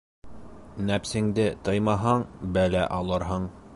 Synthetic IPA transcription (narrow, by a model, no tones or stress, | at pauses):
næpsɘ̆ŋd̪ɘt̪ɤjmɑɦɑɴbælæʔɑlˠɤɾɦɤɴ